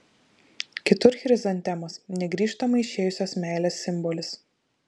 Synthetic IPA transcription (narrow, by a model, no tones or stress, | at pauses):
kʲɪt̪ʊɾxʲɾʲɪzɐnʲt̪ʲɛmosnʲɛɡɾʲiːʃt̪ɐmɐɪɪʃʲeːjʊsʲoːsmʲæːlʲeːsːʲɪmbɔlʲɪs